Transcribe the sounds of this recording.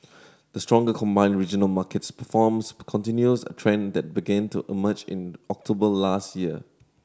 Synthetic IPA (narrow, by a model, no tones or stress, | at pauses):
d̥əstɹɔ̃ŋɡəkʰɔ̃mbãɪ̃nɹid͡ʒənəlmakɛtspəfɔmskʰɔ̃ntĩnjusə̰tʰɹɛ̃nd̪ɛt̚biɡɛ̃ntuʔiməd͡ʒɪ̰̃nɔk̚tʰobəlastjiə